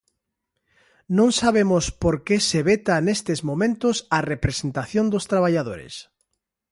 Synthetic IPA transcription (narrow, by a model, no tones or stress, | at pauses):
nõŋsaβ̞emʊspoɾkeseβet̪anest̪ezmomẽnt̪ʊsarepɾesent̪aθjond̪ʊst̪ɾaβaʎaðoɾḛs